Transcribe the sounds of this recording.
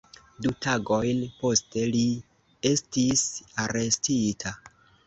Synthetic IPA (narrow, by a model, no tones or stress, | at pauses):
dutʰaɡo̞jnpo̞ste̞li | e̞stisaɾe̞stitʰa